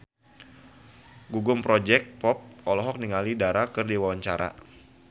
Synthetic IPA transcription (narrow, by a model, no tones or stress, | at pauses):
ɡuɡʊmpɾɔd͡ʒɛk̚pɔp̚ɔlɔɦɔk̚niŋalidaɾakɨrdiwawaɲt͡ʃaɾa̰